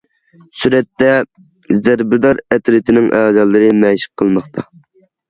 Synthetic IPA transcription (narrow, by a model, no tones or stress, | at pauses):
syɾɛt̪ːɛ | zæɾbɪd̪ɑɾɛt̪ɾɪt̪ʰɪnɪŋʔɛːzɑlˠːɨɾɨmɛʃɪ̥qʰːəlˠmɑχt̪ʰɑ